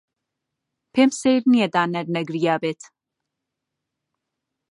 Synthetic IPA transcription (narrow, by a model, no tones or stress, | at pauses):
pʰemsejɾniɛd̪aːnɐɾnɐɡɾijaːbɛt̪ʰ